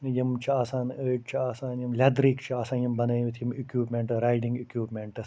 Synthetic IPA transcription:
jɐmt͡ʃʰiaːsaːnəːʈt͡ʃʰiaːsaːnjɐmlʲɐd̪ɾiːkt͡ʃʰiaːsaːnjɐmbɐnɐːʋit̪ʰijimikjuːpmeɳʈɾaːjɖĩŋɡikjuːpmeɳʈɐ

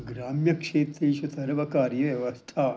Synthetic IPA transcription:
ɡɾaːmjɐkʂeːt̪ɾeʃusɐɾʋɐkaːɾjɐʋjɐʋɐst̪ʰaː

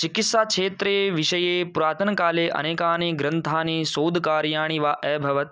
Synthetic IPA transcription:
t͡ʃikit̪saːkʂeːt̪ɾeːʋiʃɐjeːpuɾaːt̪ɐnkaːleːʔɐ̰neːkaːneːɡɾɐnt̪ʰaːneːsoːd̪ʱkaːɾjaːɳ̃iʋaːʔɛːbʱɐʋɐt̪̚

